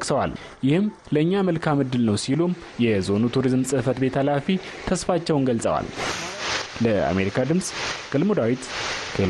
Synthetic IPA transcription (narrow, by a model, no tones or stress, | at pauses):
kʼsəwa̰l | jɪhɨm | ləɨɲːaməlkʰamɨd̪ːɨlnəwsilum | jɛzo̞nut̪ʰuɾizmsʼɨhfət̪be̞t̪ʰalafi | t̪ʰəsfat͡ʃːɛwnɡəlsʼə̰wa̰l | ləa̰me̞ɾikʰad̪ɨmsʼɡ̥əlmud̪awit̪kʰe